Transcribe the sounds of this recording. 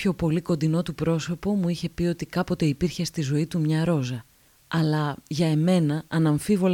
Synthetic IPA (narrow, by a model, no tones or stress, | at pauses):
ço̞po̞liko̞nd̪ino̞t̪upɾo̞so̞po̞muiçe̞pio̞t̪ikɐpo̞t̪e̞ipiɾçe̞st̪izo̞it̪umɲɐɾo̞zɐ | ɐlɐʝɐe̞me̞nɐɐnɐɱfivo̞l